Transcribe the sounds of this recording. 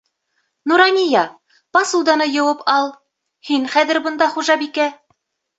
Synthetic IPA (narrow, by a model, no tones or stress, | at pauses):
nuɾɑnʲijɑ | pɑsuwd̪ɑnɤjɤ̆wɤpɑlˠ | hiŋχæðɘɾbɤ̆nd̪ɑχuʒɑbikæ